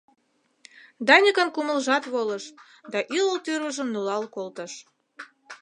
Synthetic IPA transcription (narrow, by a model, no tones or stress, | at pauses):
d̪ɑnʲəkə̆nkuməlʒɑt̪βoləʃ | d̪ɑʔiləlt̪yrβəʒəmnulɑlkolt̪əʃ